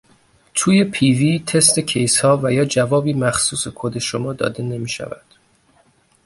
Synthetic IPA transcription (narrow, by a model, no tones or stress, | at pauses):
t̪ʰuːje̞pʰiviːt̪ʰe̞st̪e̞cʰe̞jshɒːvæjɒːd͡ʒævɒːbiːmæxsuːsekʰod̪e̞ʃomɒːd̪ɒ̰ːd̪e̞ne̞miːʃæ̰væ̰d̪̥